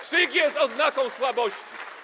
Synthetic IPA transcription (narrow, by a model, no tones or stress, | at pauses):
ʂiɡʲjɛst̪ɔznakɔ̃w̃swabɔɕt͡ɕi̥